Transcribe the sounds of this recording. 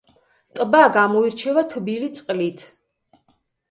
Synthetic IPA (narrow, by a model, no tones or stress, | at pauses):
t̪ʼbaɡamɔiɾt͡ʃʰɛvat̪ʰbilit̪sʼqʼlit̪ʰ